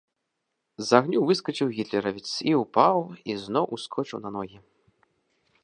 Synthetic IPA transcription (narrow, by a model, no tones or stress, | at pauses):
zaɣnʲuvɨskɐt͡ʂɨwɣʲit̪lʲɛɾɐvʲit̪siupawiznɔwʔuskʰɔt͡ʂɨwnɐnɔɣʲi